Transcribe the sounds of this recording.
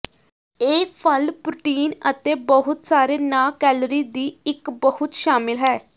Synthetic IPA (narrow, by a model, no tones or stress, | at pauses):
eːpʰəlpɾʊːʈiːnət̪eːbəɦʊt̪saːɾeːnaːkɛːlɾiːd̪iːɪkbəhʊt̪ʃaːmɪlɦɛː